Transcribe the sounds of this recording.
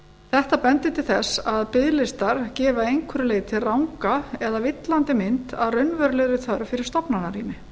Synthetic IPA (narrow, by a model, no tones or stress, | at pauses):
θɛht̪apɛnt̪ɪt̪ʰɪlθɛsːaðpɪðlɪst̪aɾ̥cɛːvaejŋkʰʏɾʏleːjðt̪ʰɪlrawŋkaɛðavɪt̪lant̪ɪmɪnt̪aðrœɥnvœɾlɛɣɾɪθœɾvfɪɾɪɾ̥st̪ɔpnanaɾiːmɪ